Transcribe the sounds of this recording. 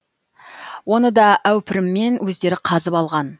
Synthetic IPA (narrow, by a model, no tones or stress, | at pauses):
wo̞nəd̪ɑʔæwpɪɾɪmːe̞nwɵzd̪e̞ɾɪqʰɑzəpɑlˠʁɑn